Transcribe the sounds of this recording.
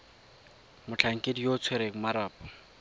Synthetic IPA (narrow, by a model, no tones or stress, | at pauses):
mʊt͡ɬʰaŋ̩kʼedijot͡sʰweɾeŋ̩maɾaːpʼɔ